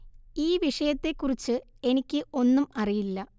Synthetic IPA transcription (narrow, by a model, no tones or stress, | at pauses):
iːʋiʂɐjɐt̪ːe̞kːurit͡ɕːɨe̞nikʲːɨʔo̞nːumɐrijilːɐ